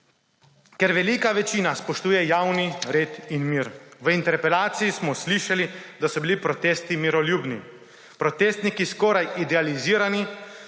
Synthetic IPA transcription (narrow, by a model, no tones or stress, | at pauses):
kɛɾʋɛlikaʋɛt͡ʃiːnaspɔʃt̪uːjɛjawniɾeːt̪inmiːɾʋəint̪ɛɾpɛlaːt̪sijismɔsliʃalid̪asɔbilipɾɔt̪eːst̪imiɾɔljuːbni | pɾɔt̪eːst̪nikiskɔːɾajid̪ɛaliziːɾani